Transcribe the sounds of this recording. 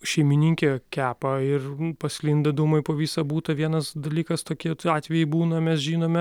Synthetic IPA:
ʃʲɛɪmʲɪnʲiŋʲkʲekʲæːpɐɪrpɐsʲlʲind̪ɐd̪umɐɪpoːʋʲiːsɐbuːt̪ɐʋʲiɛnɐsd̪ɐlʲiːkɐst̪oːkʲiɛt̪ɑːt̪ʲʋʲɛjɛɪbuːnɐmʲɛsʒʲiːnoːmʲɛ

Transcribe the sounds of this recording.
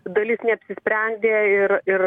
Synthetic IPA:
d̪ɐlʲɪsnʲɛɐpʲsʲɪsʲpʲɾʲɛnʲd̪ʲeːɪɾɪr

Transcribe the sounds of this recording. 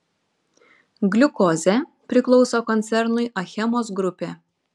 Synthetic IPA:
ɡlʲʊkɔːzʲɛpʲɾʲɪklˠɔʊsoːkɔnʲt̪ʲɛɾnʊɪʔɐxʲɛmoːs̬ɡɾʊpʲeː

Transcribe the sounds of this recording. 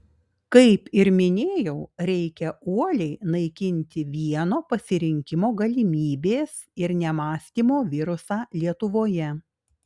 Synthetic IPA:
kɐɪpɪɾmʲɪnʲeːjɛʊɾʲɛɪkʲɛuɔlʲɛɪnɐɪkʲɪnʲt̪ʲɪʋʲiɛnoːpɐsʲɪɾʲɪŋʲkʲɪmoːɡɐlʲimʲiːbʲeːs | ɪɾnʲɛmɑːsʲt̪ʲiːmoːʋʲɪɾʊsɑːlʲiɛt̪ʊʋoːjɛ

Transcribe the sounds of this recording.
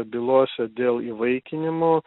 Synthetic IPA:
bʲɪlˠuɔsʲɛd̪ʲeːlˠiːʋɐɪkʲɪnʲɪmoː

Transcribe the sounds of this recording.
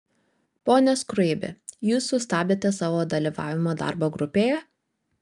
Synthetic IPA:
poːnʲɛskɾʊɛɪbʲɪ̰juːsːʊst̪ɑːbʲeːt̪ʲɛsɑːʋoːd̪ɐlʲiʋɑ̰ːʋʲɪmod̪ɑ̰ˑɾboːɡɾʊpʲeːjɛ

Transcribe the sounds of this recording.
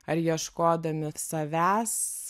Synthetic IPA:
ɐɾjiɛʃkoːd̪ɐmʲɪsɐʋʲæːs

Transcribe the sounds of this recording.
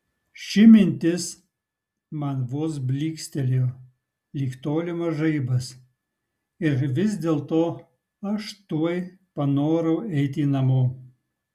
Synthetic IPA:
ʃʲɪmʲɪnʲt̪ʲɪs | mɐnʋoːs̬bʲlʲiːksʲt̪ʲɛlʲjoː | lʲiːkt̪oːlʲɪmɐʒɐɪbɐs | ɪɾʋʲɪsd̪ʲeːlˠt̪oː | ɐʃt̪uɔj | pɐnoːɾɐʊɛɪt̪ʲiːnɐmoː

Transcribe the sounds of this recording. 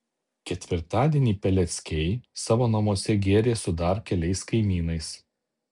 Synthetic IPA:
kʲɛt̪ʲʋʲɪɾt̪ɑːd̪ʲiɛnʲiːpʲɛlʲɛt̪sʲkʲɛɪsɑːʋoːnɐmuɔsʲɛɡʲeːɾʲeːsʊd̪ɐɾkʲɛlʲɛɪskɐɪmʲiːnɐɪs

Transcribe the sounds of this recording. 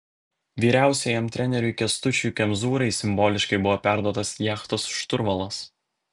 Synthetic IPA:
ʋʲiːɾʲæˑʊsʲɛjɛmt̪ʲɾʲɛnʲɛɾʲʊɪkʲɛst̪ʊt͡ʃʲuːˑkʲɛmzuːɾɐɪsʲɪmboːlʲɪʃkɐɪbʊʋoːpʲæˑɾd̪uɔt̪ɐsjæːxt̪oːsʃt̪ʊɾʋɐlˠɐs

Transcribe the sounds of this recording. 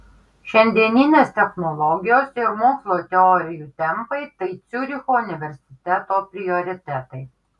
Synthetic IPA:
ʃʲɛnʲd̪ʲiɛnʲinʲeːst̪ʲɛxnɔlˠɔɡʲɪjoːsɪɾmoːkslˠoːt̪ʲɛɔɾʲɪjuːt̪ʲɛmpɐɪt̪ɐɪt̪sʲʊɾʲɪxoːʊnʲɪʋʲɛɾʲsʲɪ̥t̪ʲɛt̪oːpʲɾʲɪjɔɾʲɪt̪ʲæt̪ɐɪ

